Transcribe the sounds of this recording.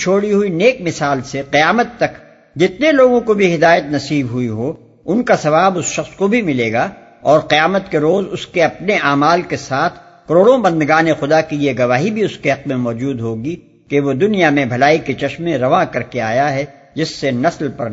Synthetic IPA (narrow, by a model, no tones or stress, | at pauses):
t͡ʃʰoːɽiɦuineːkmɪsaːlseqijaːmət̪ːɐk | d͡ʒɪt̪neloːɡõkobʱiɦɪd̪aːjət̪nɐsiːbɦʊiɦo | ʊnkasɐʋaːbʊsʃɐxskobʱimɪleːɡaː | ɔːɾqijaːmət̪keɾoːzʊskeɐpneʔaːmaːlkesaːt̪ʰ | kɐɾoːɽõbɐ̃nd̪ɡaːnexʊd̪akijeɡɐʋaːɦibʱiʊskeɦɐq̚mẽmɔːd͡ʒuːd̪ɦoːɡi | keʋod̪ʊnijamẽbʱɐlaːiket͡ʃɐʃmẽɾɐʋakɐɾkeaːjaɦɛ | d͡ʒɪsːenɐslpɐɾ